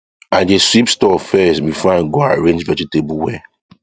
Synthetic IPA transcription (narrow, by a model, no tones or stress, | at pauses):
ãndeswipstɔfɛsbifɔãnɡoaɹẽnd͡ʒvɛd͡ʒitebulwɛ